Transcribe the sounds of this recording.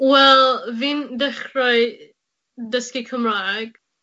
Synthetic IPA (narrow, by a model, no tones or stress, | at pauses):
wɛlˠviːndɛχɾɔj | dəskikʰəmɾaɡ̥